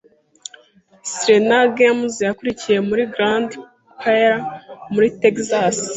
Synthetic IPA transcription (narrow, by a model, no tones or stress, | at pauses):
sɾenaɡemzjakuɾicije̞muɾiɡɾãnd | kʰaɾamuɾitekzas